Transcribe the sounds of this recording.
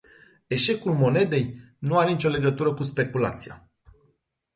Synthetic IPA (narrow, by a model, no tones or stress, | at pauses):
e̞ʃe̞kulmo̞ne̞d̪e̞j | nuaɾenit͡ʃʲo̞le̞ɡət̪uɾəkus̬pe̞kula̰t̪sija̰